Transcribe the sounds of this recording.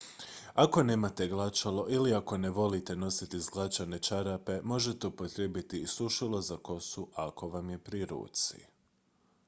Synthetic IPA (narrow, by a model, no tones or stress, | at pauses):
ako̞ne̞ːmat̪e̞ɡlˠat͡ʃalo̞ʔiliako̞ne̞ʋo̞lit̪e̞no̞sit̪izɡlˠat͡ʃane̞t͡ʃaɾape̞mo̞ʒe̞t̪eupot̪ɾebit̪iːsuʃilˠo̞zako̞suʔako̞ʋamje̞pɾiɾṵːt̪sḭ